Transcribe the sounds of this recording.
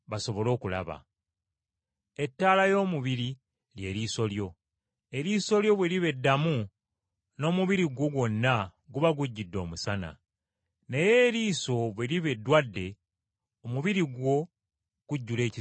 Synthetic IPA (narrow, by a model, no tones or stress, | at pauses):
βaso̞βo̞lo̞ːkula̰βa̰ | etːaːlajo̞ːmuβiɾi | lje̞ːɾiːso̞ljo̞ | e̞ɾiːso̞ljo̞βwe̞liβe̞dːamu | no̞ːmuβiɾiɡwo̞ɡo̞nːaɡuβaɡuɟːidːo̞̰ːmusana̰ | nejeːɾiːso̞βweliβe̞dːwadːe̞ | omuβiɾiɡwo̞ | ɡ̥uɟːule̞ːci